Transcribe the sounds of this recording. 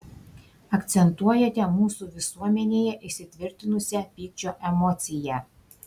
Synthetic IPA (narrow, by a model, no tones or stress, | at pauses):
ɐkt̪sʲɛnt̪uɔjɛt̪ʲɛmuːsuʋʲɪsuɔmʲɛnʲeːjɛʔɪʃʲsʲɪt̪ʲʋʲɪɾʲt̪ʲɪnʊsʲɛpʲiːk̚t͡ʃʲoːʔɛmɔt̪sʲɪjɛˑ